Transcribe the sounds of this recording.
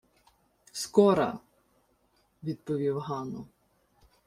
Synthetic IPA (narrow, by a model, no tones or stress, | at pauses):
skɔɾɐ̰ | ʋʲid̪̚pɔʋʲiwɦɑnʊ̰